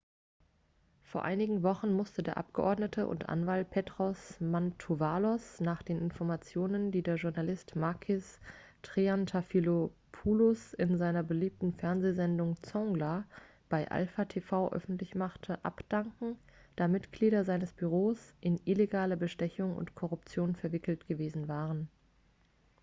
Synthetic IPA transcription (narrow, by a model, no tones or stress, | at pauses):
foːɐʔa̰ɪnɪɡŋ̩vɔχn̩mʊstədeːɐʔa̰p̚ɡ̥əʔɔ̰ɐdnətʰəʔʊ̰ntʔa̰nvalt̚pʰeːtʁ̥ɔsmantʰuvaːlɔsnaːχd̥eːnɪnfɔɐmat͡sjoːnəndiːdeːɐʒʊɐnalɪstmaɐkʰɪs | tʁ̥iantʰafilopʰulʊsɪnzaɪnɐbəliːp̚tn̩fɛɐnzeːzɛndʊŋt͡sɔŋɡla | b̥aɪʔa̰lfatʰefaʊʔœ̰fn̩tlɪçmaχtʰəʔa̰pd̥aŋkŋ̩d̥aːmɪtɡ̥liːdɐzaɪnəsb̥yʁoːsʔɪnʔɪleɡaːlɐbəʃtɛçʊŋʊ̰ntkʰɔʁʊpt͡sjoːnfɛɐvɪkl̩tɡ̥əveːzn̩vaːʁən